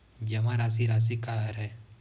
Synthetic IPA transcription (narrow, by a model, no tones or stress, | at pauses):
d͡ʒɐmãɾaːs̬iɾaːs̬ikaɦəɾɛː